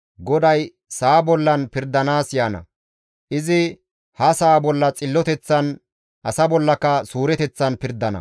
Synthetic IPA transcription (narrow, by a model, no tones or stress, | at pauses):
ɡɔd̪ɐj | saːbɔlːɐnpɪɾd̪ːɐnaːsjaːnɐ̰ | ʔɪzɪ | hɐsaːbɔlːɐt͡sʼɪlːɔt̪ɛt͡sːɐn | ʔɐsɐbɔlːɐkɐsuːɾɛt̪ɛt͡sːɐnpɪɾd̪ːɐnɐ̰